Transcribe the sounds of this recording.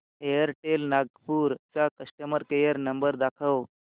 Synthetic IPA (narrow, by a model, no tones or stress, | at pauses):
ejəɾʈelnaɡ̚puːɾt͡sakəsʈəməɾkejəɾnəmbəɾd̪akʰəʋ